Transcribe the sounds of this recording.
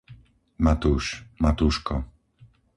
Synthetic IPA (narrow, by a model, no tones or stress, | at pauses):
mat̪uʃmat̪uʃkɔ̰